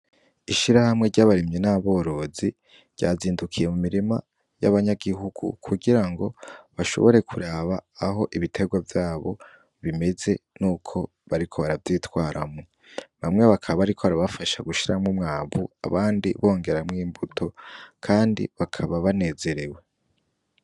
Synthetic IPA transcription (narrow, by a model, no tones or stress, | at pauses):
iʃiɾahamŋe̞ɟaβaɾimɲenaβo̞ːɾo̞zi | ɟ̥a̰ziːndukʰije̞mumiɾima | ja̰βaɲaɡiɦuɡ̥ṵkʰuɡiɾaŋɡo̞βaʃo̞̰βo̞ɾe̞kʰuɾaːβaːɦo̞ʔiβitʰe̞ɡwavjaːβo̞̰ | βime̞ze̞nuːkʰo̞ | βaɾikʰo̞βaɾavjiːtwaːɾamŋo | βamŋe̞βakʰaββaaɾikʰo̞βaɾaβafaʃaɡuʃiɾamŋumŋaːβua̰βaːndiβo̞ːŋɡe̞ɾamŋiːmbutʰo̞kʰaːndḭβakʰaβaβane̞ːze̞ɾe̞we̞